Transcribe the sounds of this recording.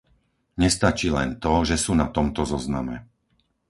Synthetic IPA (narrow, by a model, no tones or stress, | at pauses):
ɲɛst̪at͡ʃiːlɛnt̪ɔʒɛsuːnat̪ɔmt̪ɔzɔznamɛ